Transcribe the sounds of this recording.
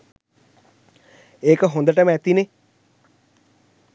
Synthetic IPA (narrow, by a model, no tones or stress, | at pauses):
eːkəɦond̪əʈəməæt̪ine